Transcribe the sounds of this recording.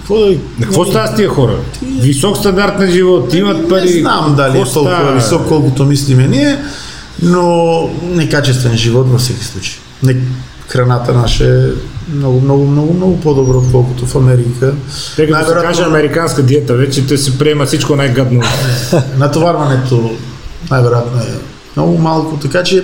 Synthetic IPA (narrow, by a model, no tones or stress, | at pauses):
kvɔd̪ikvost̪ast̪iɛxɔɾɐ̰t̪visɔkst̪and̪aɾt̪nɐʒivɔt̪imɐt̪̚paɾinamd̪alit̪ɔlˠaɐviɔkkːɔlˠkut̪omislimɛniɛ | nonɛkat͡ʃɛst̪vɛnʒivɔt̪vofsɛki̥slˠut͡ʃɐ̥j | nɛ | xɾanat̪ɐnaʃɛɛmnɔɡumnɔɡumnɔɡumnɔɡupɔd̪ɔbɾokɔlˠkut̪ofamɛɾikʰaɛkanjavɛɾakaʒɛamɛɾikanskad̪jɛt̪avɛt͡ʃɛt̪ɔjsɛpɾiɛmɐsit͡ʃkonajɡad̪noɛnat̪ovaɾmanɛt̪o | najvɛɾojat̪noɛ | mnɔɡumalˠkot̪ɛkat͡ʃiɛ